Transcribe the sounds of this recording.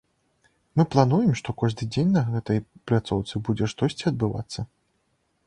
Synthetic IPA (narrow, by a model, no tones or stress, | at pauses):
mɨplˠanujɛmʂt̪ɔkɔʐd̪ɨd͡zʲenʲnɐɣɛt̪ɐjplʲat̪sɔwt̪sɨbud͡zʲɛʂt̪ɔsʲt͡sʲiɐd̪̚bɨva̰t̪sːɐ